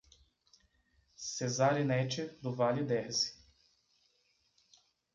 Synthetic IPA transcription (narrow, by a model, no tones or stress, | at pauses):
sezaɾinɛt͡ʃɪd̪ʊvalɪd̪ɛhzɪ̥